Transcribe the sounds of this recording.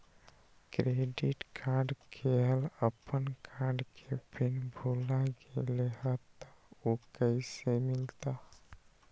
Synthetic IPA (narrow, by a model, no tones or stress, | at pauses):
kɾeɖiʈkʰaɾɖkʰeɦələpənkaɾɖkʰebʱinbʱulaɡeleɦət̪aokəɪsemɪlt̪a